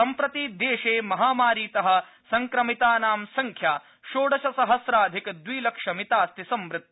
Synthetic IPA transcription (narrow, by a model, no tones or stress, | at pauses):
ɐmpɾɐt̪iːd̪eːʃeːmɐɦaːmaːɾiːt̪ɐɦɐ̆ | sɐŋkɾɐmit̪aːnaːmsɐŋkʰjaː | ʃoːɖɐʃɐsɐɦɐsɾaːd̪ʱikd̪ʋiːlɐkʂɐmit̪aːst̪isɐmʋɾɪt̪̚ː